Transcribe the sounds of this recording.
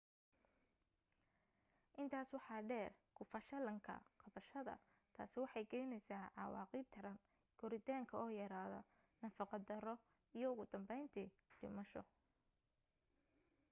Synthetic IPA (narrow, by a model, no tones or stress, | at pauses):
ʔɪnt̪ʰaːswɑħɑːɖɛːrkʰʊfɐʃɐlɐŋkʰɐ̰qɑβɐʃɐðɐ̰ | t̪ʰa̰ːsɪwɑħɑjɡɛjnɛjsaːʕɑwɑ̰ːqiːb̚t̪ʰɐɾɐn | ɡ̥ɔɾɪt̪ʰaːŋkʰɐɔːjɐɾaːðɔ | nɐfɑqɑd̪ɐɾɔ | ijɔʊɣʊd̪ɐmbɛjnt̪ʰi | ɖɪ̰mɐʃɔ̰